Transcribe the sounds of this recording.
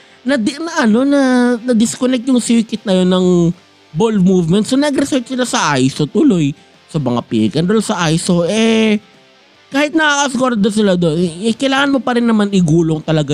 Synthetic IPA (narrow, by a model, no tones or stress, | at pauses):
nɐd̪nɐʔɐno̞nɐnɐd̪ɪskonɛk̚t̪̚jʊŋsiːkɪt̪̚nɐjo̞nːɐŋ | bolfmuːvmɛnt̪̚sonɐɡɾɛsɛɹt͡ʃsɪlasɐʔajsot̪ʊlo̞j | sɐmɐŋa̰pḭɾɪkɐnd̪onsɐʔajso̞ʔɛ | kaːhɪt̪̚nɐkakɐskoɾd̪ɐsɪlad̪o̞nɛkɐjlaːŋɐnmo̞pɐɾɪnːɐmanɪɡuːloŋt̪ɐlɐɡa